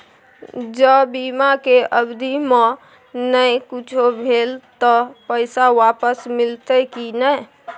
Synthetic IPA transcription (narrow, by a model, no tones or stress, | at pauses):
d͡ʒəbimakeʔəbd̪ʱime | nəjkut͡ʃʰobʱelt̪əpəɪsawapəsmilt̪əkinəj